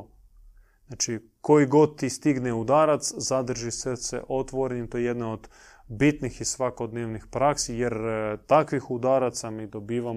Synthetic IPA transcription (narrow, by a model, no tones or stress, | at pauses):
znat͡ʃi | ko̞iɡo̞d̪̚t̪ist̪iɡneud̪aːɾat̪szad̪r̩ʒisesḛʔo̞t̪ʋoɾenit̪ojejed̪naod̪ | bit̪nixisʋako̞d̪neːʋnixpɾaksije̞ɾt̪akʋixud̪aːɾat̪samiːd̪o̞biːʋa